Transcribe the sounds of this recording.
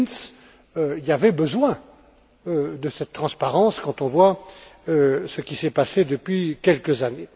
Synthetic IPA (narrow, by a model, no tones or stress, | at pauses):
ns | øiavɛbəzwɛ̃ | ød̪əsɛt̪t̪ːχɑ̃spaʁɑ̃skɑ̃t̪ɔ̃vwaøsəkʲisɛpased̪əpɥikʲɛlkəzane